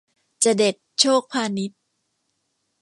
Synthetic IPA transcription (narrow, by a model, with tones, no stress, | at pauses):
t͡ɕa˨˩de˨˩t̪̚t͡ɕʰoː˥˩k̚pʰaː˧ni˦˥t̪̚